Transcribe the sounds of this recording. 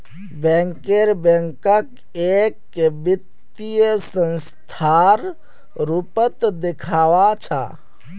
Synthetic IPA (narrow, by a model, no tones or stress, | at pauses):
bɛ̃ŋkeɾbɛ̃ŋkək | ekːebit̪ | ijəsə̃ns | t̪ʰaɾ | ɾupət̪d̪ekʰaːʋat͡ʃʰa̰